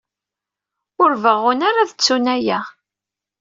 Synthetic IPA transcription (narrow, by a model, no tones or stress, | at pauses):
ʊɾvəʁʊnaɾaðət͡sːunæjæ